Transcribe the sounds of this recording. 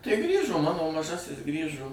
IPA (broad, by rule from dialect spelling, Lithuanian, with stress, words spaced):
tɐɪ ˈɡrʲiːʒoː ˈmɑːnoː mɐˈʒɑːsʲɪs ˈɡrʲiːʒoː